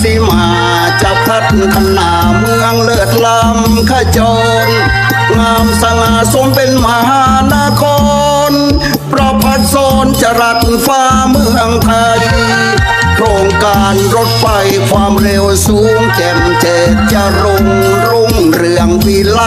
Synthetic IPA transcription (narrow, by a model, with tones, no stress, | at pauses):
t̪ʰi˧˩maː˧˩˨ | t͡ɕaː˨˩k̚ɾa˧˥t̪̚kʰa˧nːaː˨˩ | mɯ˧əŋlɤː˧˩t̪̚la˧m | kʰa˧˩t͡ɕɔː˧n | ŋaː˧msa˧ŋaː˧˩so˧˦mpe˧nma˧haː˧˦naː˧˥kʰɔː˧ | n | pɾɔ˧˥pʰa˧˩t̪̚sɔː˧˦nt͡ɕa˧ɾa˧˥t̪̚faː˧ | mɯː˧˩a˧ŋkʰa˧j | ɾo˧˩ŋkaː˧nɾo˧˥t̪̚fa˧jkʰwaː˧mɾe˧wsuː˨˦˥ŋkɛ˧˩ŋt͡ɕeː˨˩t̪̚t͡ɕa˧˩ɾo˧ŋ | ɾo˧˩ŋ | ɾɯ˧əŋwiː˧la˧˥